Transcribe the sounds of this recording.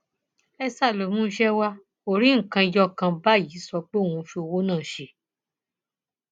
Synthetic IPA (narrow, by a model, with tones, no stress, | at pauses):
ɛ˧sa˦˨lo˨mũ˦ʃɛ˦wa˦ | o˦ɾĩ˨˦ŋ̩˨kã˧i˧jɔ˦˨kã˧ba˦˨ji˨˦sɔ˧k͡pe˦o˦˨wũ˧fi˧o˧wo˦nãː˦˨ʃe˧˦